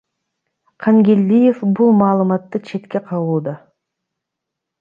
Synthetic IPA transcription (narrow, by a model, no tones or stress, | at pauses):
qʰɑŋɡʲelʲːije̞fbulˠmɑːlˠɯmɑt̪ːɯt͡ʃʰe̞t̪kʲe̞qʰɑwuːd̪ɑ